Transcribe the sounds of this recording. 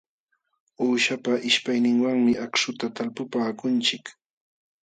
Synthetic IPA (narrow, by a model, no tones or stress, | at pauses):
uːʃapaʔɪʃpajnɪŋwaŋmɪʔakʃʊt̪at̪alpʊpaːkʊnt͡ʃɪk